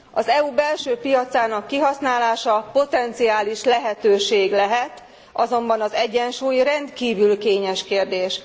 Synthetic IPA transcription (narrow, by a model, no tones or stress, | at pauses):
ɒzɛubɛlʃøːpijɒt̪saːnɒkːiɦɒsnaːlaːʃɒpo̞t̪ɛnt̪sijaːliʃlɛɦɛt̪øːʃeːɡlɛɦɛt̪ | ɒzo̞mbɒnɒzɛɟːɛnʃuːjrɛnd̪kiːvylkeːɲɛʃkeːrd̪eːʃ